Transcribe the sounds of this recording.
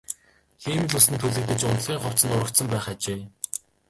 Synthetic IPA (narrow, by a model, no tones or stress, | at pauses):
xiːmɘ̆ɮʊsɘ̆nt̪ʰuɮɘ̆k̚t̪ɘ̆t͡ɕʊnt̪ɮɣʲiːŋχɔw̥t͡s̪sə̆nʊɾə̆kt̪sə̆mpæːχat͡ɕeː